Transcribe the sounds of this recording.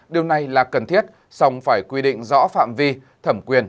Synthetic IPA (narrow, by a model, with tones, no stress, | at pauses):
ɗi˨˩əwna˨˩jlaː˨˩kə˨˩nt̪ʰi˦˥ət̚ | sa˧wŋ͡mfaː˧˩jkwi˧ɗḭ̈˧˨ŋ̟zɔ̰˧˥fa̰ː˧˨mvi˧ | t̪ʰə˧˩mkwi˧˩ən